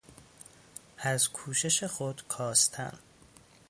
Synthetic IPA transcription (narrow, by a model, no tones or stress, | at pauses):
æzkʰuːʃe̞ʃe̞xod̪kʰɒːst̪ʰæ̰n